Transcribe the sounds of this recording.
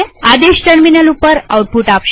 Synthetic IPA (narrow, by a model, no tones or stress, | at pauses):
ad̪eɕʈəɾminəlupəɾa̰wʈ̚puʈapʃ